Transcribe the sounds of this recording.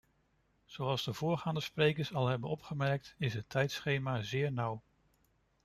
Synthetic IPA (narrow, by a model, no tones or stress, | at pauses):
z̥owɑlˠzdəvʊːɹχaːndəsprejkəɹsɑlˠɦɛbənɔpχəmɛɹk̚tɪsɦətʰɛjtsχejmaːzɪːɹnʌw